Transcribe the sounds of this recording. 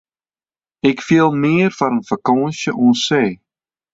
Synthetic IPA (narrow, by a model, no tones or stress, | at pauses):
ɪkfiəlˠmɪərfaɾənfakɔ̃ːnsjəʔɔnseː